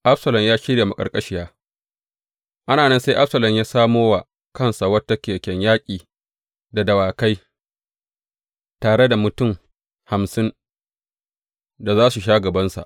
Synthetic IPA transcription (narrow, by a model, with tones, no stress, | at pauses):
ʔa˦bsɐ˨lɐ˨mjaː˦ʃɪ˦ɽjeː˨ma˨kʼɐ̰˨rkʼɐ˦ʃɪ˦jaː˦ | ʔa˦naː˨nɛ˦nsa˦ʔa˦bsɐ˨lɐ˨mjaː˦saː˦moː˦wa˨ | kɐ˦˨nsa˨wɐ˦tːa˦kʲeː˨kʲɛ˨ɲjaː˦kʲʼiː˨ | da˨dɐ˨waː˨ka˦j | taː˨ɽe˦da˨mʊ˨tʊ˦˨m | ha˨msɪ˦n | da˨zaː˦su˨ʃ̬aː˦ɡɐ˨bɐ˦nsa̰˨ʔ